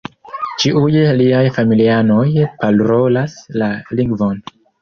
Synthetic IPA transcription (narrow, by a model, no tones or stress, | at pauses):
t͡ʃiʔujliajfamiliano̞jpalɾo̞laslaliŋɡvo̞n